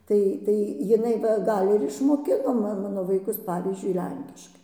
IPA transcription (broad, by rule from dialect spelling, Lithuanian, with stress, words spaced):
ˈtɐɪ tɐɪ jɪˈnɐɪ ʋɐ ˈɡɐlˠ ɪr ɪʃmoːˈkʲɪnoː mɐ ˈmɑːnoː ʋɐɪˈkʊs ˈpɑːʋʲiːzʲd͡ʒʲʊɪ ˈlʲɛŋʲkʲɪʃkɐɪ